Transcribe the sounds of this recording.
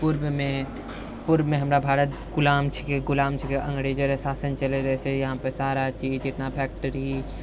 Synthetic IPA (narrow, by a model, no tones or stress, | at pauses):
puɾbmẽ | puɾbmẽɦəmɾabʱaːɾət̪ | ɡʊlaːmt͡ʃʰi̥keɡʊlaːmt͡ʃʰikeʔə̃ŋɡɾed͡ʒəɾesaːsənt͡ʃəleɾɛɦɛsejɐɦãpəsaːɾat͡ʃid͡ʒd͡ʒɪt̪napʰɛːk̚ʈəɾi